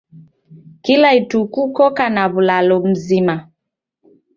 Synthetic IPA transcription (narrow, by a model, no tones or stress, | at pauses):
kilaitukukɔkanaβulalɔm̩zima